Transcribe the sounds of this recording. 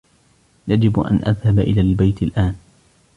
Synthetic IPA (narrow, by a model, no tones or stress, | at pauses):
jad͡ʒɪbʔa̰nʔa̰ðhabʔɪ̰laːlbajt̪ɪlʔaːn